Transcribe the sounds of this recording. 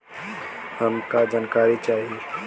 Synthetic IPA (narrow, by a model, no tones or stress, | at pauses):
həmkad͡ʒaːnkaːɾit͡ʃaːɦie